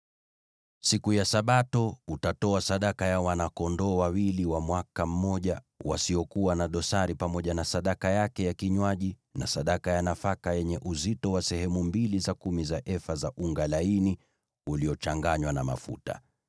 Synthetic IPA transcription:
sikujasaɓatɔutatɔasaɗakajawanakɔndɔːwawiliwamwakam̩ːɔʄa | wa̰siɔkuwanaɗɔsaɾipamɔʄanasaɗakajakɛjakiɲwaʄi | na̰saɗakajanafakajɛɲɛʔuzitɔwasɛɦɛmumbilizakumizaʔɛfazaʔuŋɡalaini | uliɔt͡ʃaŋɡaɲwanama̰fṵta̰

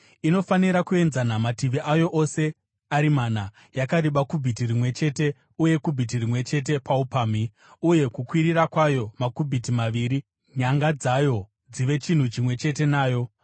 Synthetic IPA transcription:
ino̞faniɾakue̞nzanamatiʋiʔajo̞ʔo̞se̞ | aɾimana | jakaɾiɓakubʱitirimwe̞t͡ʃe̞te̞ | uje̞kubʱit̬irimwe̞t͡ʃe̞t̬e̞paupaːmi | uje̞kukwiɾirakwajo̞makubʱitimaʋiːɾi | ɲaŋɡad͡zajo̞ | d͡ziʋe̞t͡ʃin̤ut͡ʃimwe̞t͡ʃe̞t̬e̞naːjo̞

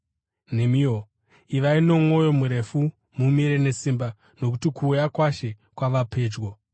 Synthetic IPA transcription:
ne̞mio | iʋaino̞mo̞jo̞muɾe̞fu | mumiɾe̞ne̞simba | no̞kutikʰuːjakwaʃe̞ | kwaʋapʰe̞ːd͡ʒɡo

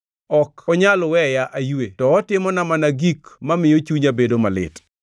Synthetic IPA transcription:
ɔkɔɲalwɛjaʔajuetɔːtɪmɔnamanaɡikmamɪjot͡ʃuɲabedomalɪ̰t

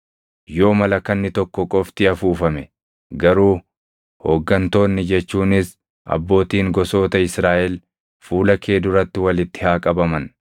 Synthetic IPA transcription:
jo̞ːmɐlɐkɐnːɪt̪ɔkːɔkʼɔft̪ɪɐfuːfɐmɛ | ɡɐɾuː | hoːɡːɐnt̪o̞ːnːɪd͡ʒɛt͡ʃːuːnɪs | ʔɐ̰bːo̞ːt̪iːŋɡɔso̞ːt̪ɐɪsɾaːʔɛl | fuːlɐkʰe̞ːd̪ʊɾɐt̪ːɪwɐlɪt̪ːɪ̥haːkʼɐbɐmɐn

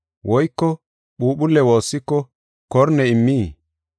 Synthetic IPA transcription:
wʔɔjkːɔ | ɓuːɓʊlːɛwoːsːɪkːɔ | kɔɾnɛɪmːiː

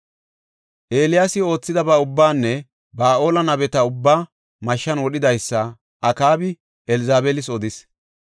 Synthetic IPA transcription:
ʔe̞ːlɪjaːsɪo̞ːt͡sːɪd̪ɐbɐʊbːaːnːɛ | baːʔo̞ːlɐnɐbɛt̪ɐʊbːaː | mɐʃːɐnwɔɗɪd̪ɐjsːɐ | ʔɐkaːbɪ | ɛlɪzaːbɛlɪsɔd̪ɪs

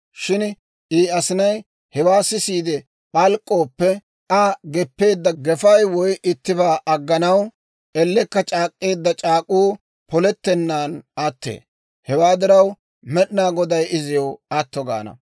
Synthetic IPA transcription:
ʃɪn | ʔiːɐsɪnɐj | hɛwaːsɪsiːd̪ɛ | ɓɐlkʼːoːpːɛ | ɐɡɛpːe̞ːd̪ːɐɡɛfɐjwɔjʔɪt̪ːɪbaːʔɐɡːɐnɐw | ʔɛlːɛkːɐt͡ʃʼaːkʼːe̞ːd̪ːɐt͡ʃʼaːkʼuː | pɔlɛt̪ːɛnːaːnɐt̪ːḛː | hɛwaːd̪ɪɾɐw | mɛɗɪnaːɡɔd̪ɐjɪzɪjoɐt̪ːɔɡa̰ːnɐ̰

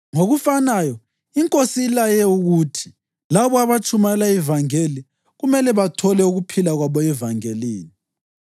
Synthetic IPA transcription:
ŋoɣufanajɔ | iŋkʼosiːlajɛuɣutʰi̥ | laβɔaβat͡ʃʰʼumalaivaŋeli | ɣumɛlɛβatʰɔlɛuɣupʰilaɣwaβɔɛvaŋeliːni

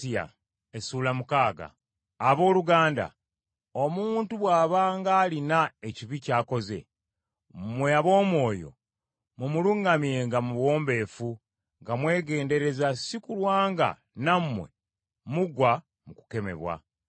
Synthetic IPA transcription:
ia̰ | esuːlamukaːɡa̰ː | βo̞ːluɡaːnda̰ | o̞muːntuβwaːβaːŋɡaːlinaeciβicaːko̞ze̞̰ | mwe̞aβo̞ːmwo̞ːjo̞̰ | mumuluŋɡamje̞ŋɡamuβwo̞ːmbe̞ːfu | ŋɡamwe̞ːɡe̞ːnde̞ɾe̞zasikulwaːŋɡa̰ | namːwe̞̰ | muɡwa | muku̥ke̞me̞̰βwa̰

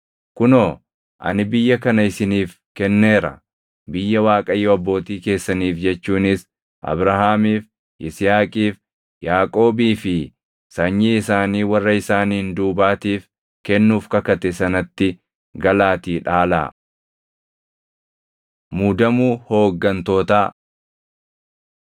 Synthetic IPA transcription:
kʊnoː | ʔɐ̰nɪbɪjːɐkɐnɐɪsɪniːf | kɛnːe̞ːɾɐ̰ | bɪjːɐwaːkʼɐjːɔɐbːo̞ːt̪iːke̞ːsːɐniːfd͡ʒɛt͡ʃːuːnɪs | ʔɐ̰bɾɐhaːmiːf | ʔɪsɪjaːkʼiːf | jaːkʼo̞ːbiːfɪ | sɐɲːiːɪsaːniːwɐrːɐɪsaːniːɪnd̪uːbaːt̪iːf | kɛnːuːfkɐkɐt̪ɛsɐnɐt̪ːɪ | ɡɐlaːt̪iːᶑaːla̰ː | muːd̪ɐmuːhoːɡːɐnt̪o̞ːt̪aː

